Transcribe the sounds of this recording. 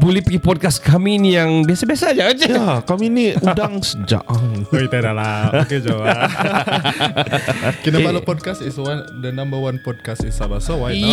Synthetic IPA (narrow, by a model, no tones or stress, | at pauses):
bolihpiɡipɔd̚kaskaminijaŋbiasabiasad͡ʒad͡ʒaakaminiudaŋsəd͡ʒa̰ʔit̪aɾalaked͡ʒowa | kinaalupɔd̚kasisowadanambawanpɔd̚kasisabasowa